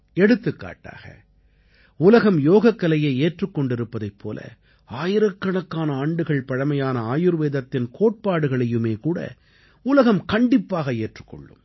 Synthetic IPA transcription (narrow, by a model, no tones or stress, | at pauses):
ɛɽɯt̪ːɯkːa̰ːʈːa̰ːɣɐ̰ | ʊlɐɣɐmjoːɣɐkːɐlɐjeːeːʈrɯkːɔɳɖɪɾɯpːɐðɐɪpʰːo̰ːlʔɐ̰ | aːjɪɾɐkːɐɳɐkːaːnɐaːɳɖɯɣɐɭpɐɻɐmɐjaːnɐaːjɯɾʋeːðɐt̪ːɪnkʰoːʈ̚paːɽɯɣɐɭɐjɯmeːkuːɽɐ̰ | ʊlɐɣɐmkɐɳɖɪpːaːɣɐeːʈrɯ̥kːɔ̰ɭːɯ̰m